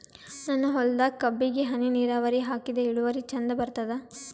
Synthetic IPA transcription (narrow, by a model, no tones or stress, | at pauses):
nɐnːɐɦɔld̪ɐkɐbːiɡeɦɐniniːɾaːʋɐɾiɦaːkid̪eiɭuʋɐɾit͡ʃɐnd̪ɐbɐɾt̪ɐd̪ɐ